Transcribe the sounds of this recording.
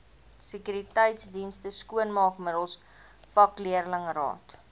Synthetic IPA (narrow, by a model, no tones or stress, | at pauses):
səkyɾitəjtsdinstəskuənmɑːkmədəlˠs | fɐkliərləŋrɑ̰ːt